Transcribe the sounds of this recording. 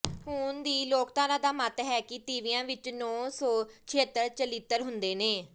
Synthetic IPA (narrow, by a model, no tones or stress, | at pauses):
ɦʊːnd̪iːloːkt̪aːɾãːd̪aːmət̪ɦɛːkɪt̪iːʋijãːʋɪt͡ʃnɔːsɔːt͡ʃʰeːt̪ːəɾt͡ʃəliːt̪ːəɾɦʊnd̪eːneː